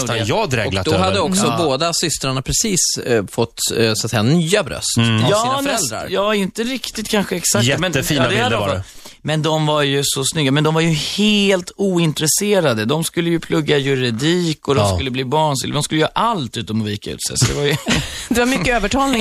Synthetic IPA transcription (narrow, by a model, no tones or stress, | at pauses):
jɑd̪ɾɛɔad̪ɔɦad̪ːəɔksɔboːd̪asʏst̪ɾaɳapʰɾɛsiːsfɔt̪ːsʊat̪sɛjːanyːabɾœ̰st̪jɑːanɛɛld̪ɾa̰ɾjɑːɪnt̪əɾɪkt̪ɪt̪̚kʰanɧəɛksakɛmɛnːfiːnad̪ɛaɔ | mɛnd̪ɔmvaɾjɵsɔsnʏɡːamɛnd̪ɔmvaɾjɵheːlt̪uːɪnt̪ɾɛseːɾad̪əd̪ɔmskɵlːəjɵpʰlɵɡːajɵɾɪd̪iːkɔd̪ɔskɵlːəbliːbɑːɳsɪ̰l̰ːd̪ɔmskɵlːjːʔalt̪ʉ̟ːt̪ɔmɔviːkaʉ̰ːt̪sɛ̰jsɔd̪ɛvajd̪ɛvaɾmʏkːəøːvəʈʰɑːlnɪ